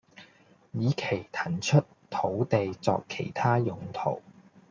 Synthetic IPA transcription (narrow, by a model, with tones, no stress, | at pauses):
jiː˨˧kʰe˨˩jt̪ʰɐ˨˩nt͡ʃʰɵ˥t | t̪ʰo˨˥wt̪e˨jt͡sɔ̰ː˧kʰːe˨˩jt̪ʰaː˥jʊ˨˧ŋt̪ʰo̰˨˩w